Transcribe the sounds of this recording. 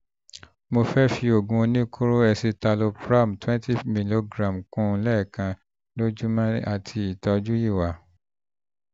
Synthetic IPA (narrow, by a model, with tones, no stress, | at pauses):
mo˧fɛ˦fi˧o˨ɡũ˧nĩ˦kʰo˦ɾo˦ɛ˧si˧ta˧lo˧pɾa˦˨m̩˨twɛ̃˦nti˦mĩ˧lo˧ɡɾã˨m˨kũ˦˧lɛ˦˨kã˧ | lo˦d͡ʒu˦mã˦a˨tʰi˧i˨tɔ˧d͡ʒu˦ji˦˨wa˨˦